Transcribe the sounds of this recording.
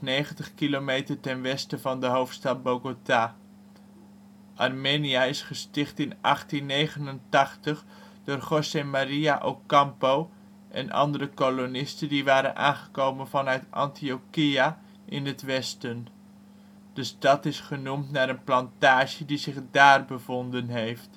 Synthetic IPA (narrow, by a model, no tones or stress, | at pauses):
nejχəntəχkilomejtərtɛnʋɛstəvɑndəɦowftstɑt̚boɡotaː | ʔɑrmeniaɪsχəstɪχtɪnʔɑ̰χtinːejχənəntɑχtəχ | d̥ʊːrχosemaɾiaʔowkɑmpow | ʔɛ̰nʔɑ̰ndəɾəkolonɪstəndiʋaːɾə̰nʔa̰ːnχəkowmənvɑnœɥtɑ̰ntiokia | ʔɪnətʋɛstən | d̥əstɑtɪsχənumtnaːɾənplɑntaːʒədizɪχdaːrbəvondənɦejft